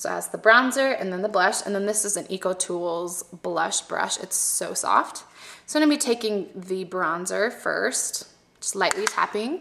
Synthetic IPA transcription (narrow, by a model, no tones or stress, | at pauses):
soʊə̰zðəbɹãʊ̃nzə˞ʔɨ̰̃nðɨ̃nðəblʌʃɨ̰̃nðɨ̃nðɪsɨz̃nikwl̩ˠtʰulˠzb̥lʌ̰ʃb̥ɹʌ̰ʃɨ̰tsoʊsɔ̰ftsoʊ̃ñbitʰeɪkɪ̃ŋðɨbɹɑ̃nzə˞fɜ̰˞st | d̥ʒʌ̥sˡlaɪʔˡlitʰæ̰pɪ̃ŋ